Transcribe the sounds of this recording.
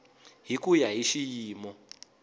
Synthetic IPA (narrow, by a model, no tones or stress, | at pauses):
ɦikʼujaɦiʃijiːmɔ